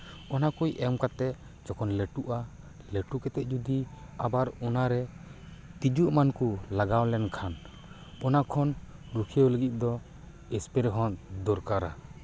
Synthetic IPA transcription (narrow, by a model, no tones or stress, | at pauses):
ɔnakujɛmkat̪ɛʔ | d͡ʒɔkɔnleʈuʔa | leʈukɛt̪ɛʔ̪̚ˀd͡ʒud̪i | abaɾɔnaɾɛ | t̪id͡ʒuʔmankulaɡawlɛnkʰan | ɔnakʰɔn | ɾukʰewləɡit̪̚ˀd̪ɔ | ɛspɛɾɛɦɔnd̪ɔɾkaɾa